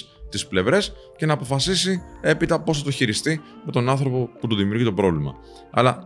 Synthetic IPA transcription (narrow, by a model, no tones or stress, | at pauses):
t̪isple̞vɾe̞s | ce̞nɐːpo̞fɐsisie̞pit̪ɐpo̞sθɐt̪o̞çiɾist̪ime̞t̪o̞nɐnθɾo̞po̞put̪oðimiuɾʝit̪o̞pɾo̞vlimɐ̰ | ɐ̰lɐ